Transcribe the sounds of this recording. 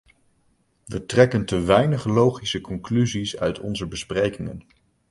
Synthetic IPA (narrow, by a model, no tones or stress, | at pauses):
ʋətrɛkəntəʋɛjnəχəlowχisəkɔŋklyzisœ̰ɥtʰɔ̰nzəbəsprejkɪŋə̰n